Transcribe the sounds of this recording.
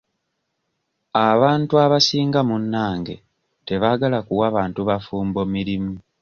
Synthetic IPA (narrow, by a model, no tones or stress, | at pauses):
aβaːntuaβasiːŋɡamunːaːŋɡe̞̰ | te̞βaɡalakuwaβaːntuβafuːmbo̞miɾimu